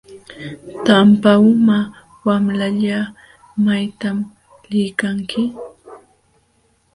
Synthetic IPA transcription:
t̪ampaʊma | wamlaʎa | majt̪am | lɪjkaŋkɪ

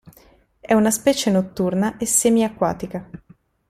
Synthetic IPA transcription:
ɛunaspɛːt͡ʃenot̪ːurnaʔesːeːmiakːwa̰ːt̪ika

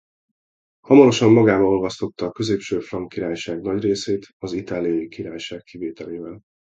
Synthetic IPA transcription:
hɒmɒɾo̞ʃɒmːɒɡaːbɒno̞lvɒst̪o̞t̪ːɒːkø̞zeːpʃøːfrɒŋkiɾaːjʃaːɡnɒɟreːseːt̪ɒzit̪aːlijɒjikiɾaːjʃaːkːiveːt̪ɛleːvɛl

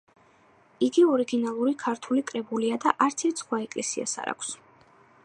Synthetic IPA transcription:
iɡiɔɾiɡinalˠuɾikʰaɾt̪ʰulikʼɾɛbuliad̪aʔaɾt̪sʰit̪sʰχwaɛkʼlɛsia̰sa̰ɾa̰kʷʰs

